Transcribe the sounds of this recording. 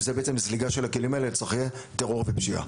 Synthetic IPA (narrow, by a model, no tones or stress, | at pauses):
zebeet͡semzliɡaʃe̞lakelimaelet͡sʁiχje | teʁo̞ʁvepʃia̰